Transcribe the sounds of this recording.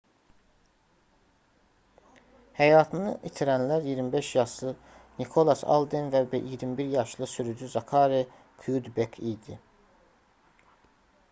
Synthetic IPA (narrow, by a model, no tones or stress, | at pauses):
hæjɑːt̪ʰɯnɯʔit̪ʰiɾænlæɾjiɾmibeʃjɑʃlˠɯ | nikʰo̞lˠɑsɑ̰lˠd̪envæbʔijiɾmibiɾjɑʃlˠɯsyɾyd͡ʒyzɑkʰɑːɾe | kʰujud̪bekʰid̪i